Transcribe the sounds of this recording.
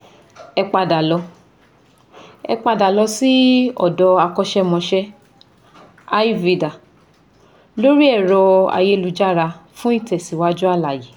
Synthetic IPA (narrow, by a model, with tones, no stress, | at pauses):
ɛ˧k͡pa˧da˨lɔ˨˧˦ | ɛ̰˧k͡pa˧da˨lɔ˧˦si˦ɔ˨dɔ˧a˧kɔ˧ʃɛ˦mɔ̃˧ʃɛ˦ | a˦i˦vi˨da˨ | lo˦ɾi˦ɛ˦˨ɾɔ˧a̰˨je˧˦˧lu˨˧d͡ʒa˦˨ɾa˧fũ˦i˦˨tɛ˨si˨wa˦d͡ʒu˦a˦˨la˨je˨